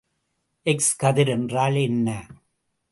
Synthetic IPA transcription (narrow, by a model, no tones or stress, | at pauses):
ʔɛkskɐðɪɾɛndraːlɛnːɐ